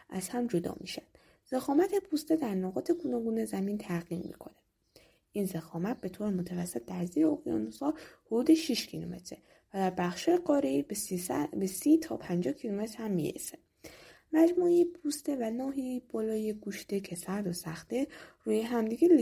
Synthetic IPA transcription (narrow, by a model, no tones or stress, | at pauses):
ʔæz̥hæmd͡ʒo̞d̪ɒ̰ːmḭʃæd̪̥ | z̥exɒːmæt̪ʰe̞pʰuːst̪ed̪æɾnoɣɒːt̪ʰe̞ɡunɒːɡuːnezæmiːnt̪ʰæɣimːḭkʰo̞ne̥ | ʔinzexɒːmæt̪̚be̞t̪ʰoɾemot̪ʰævæsːe̞t̪̚ʰd̪æɾzijeoɣijɒ̰nosɒːhod̪uːd̪eʃiʃcʰilome̞̰t̪ʰɾe | væd̪æɾbæxʃhɒːjeɡɒːɾei | besit̪ʰɒ̰ːpʰænd͡ʒɒːhcʰilome̞t̪ɾhæmːḭɾḛse | mæd͡ʒmuepʰuːst̪e̞vænɒːɦib̥ɒːlɒːjeɡuːʃt̪ecʰesæɾd̪osæxt̪eruːjeɦæmd̪iɡʲel